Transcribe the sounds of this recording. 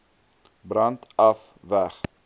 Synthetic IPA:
brɐntɐf | væχ

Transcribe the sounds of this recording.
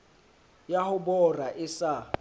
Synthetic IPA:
jahʊbɔraʔɪsa

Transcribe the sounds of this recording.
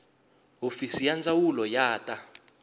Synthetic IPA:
ɦofisijand͡zawulɔjaːtʼa

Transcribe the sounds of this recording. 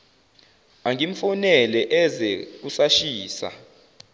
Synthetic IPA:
aŋiɱfunɛlɛʔɛzɛk̬usaʃiːsa̰

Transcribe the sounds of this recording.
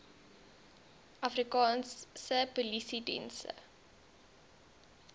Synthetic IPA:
ʔɐfrikɑːnsəpulisidɛ̰nsə̰

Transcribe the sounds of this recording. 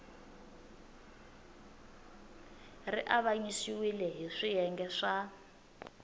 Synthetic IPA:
riʔaβaɲisiwilɛɦiʂijɛŋɡɛʂa

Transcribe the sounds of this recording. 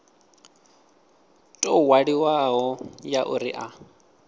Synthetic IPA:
tʼɔwaɺiwaɦɔjaʔuɾiʔa

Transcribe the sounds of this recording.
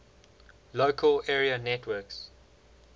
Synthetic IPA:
lokʰəlɛːɹiənɛtʰwɜks

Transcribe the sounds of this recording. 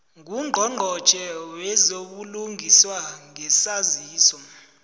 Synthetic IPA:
ŋuŋŋ͡ǃʱɔŋ͡ǃʱɔt͡ʃʼɛwɛzoɓuluŋʱiswaŋɛsaziːsɔ

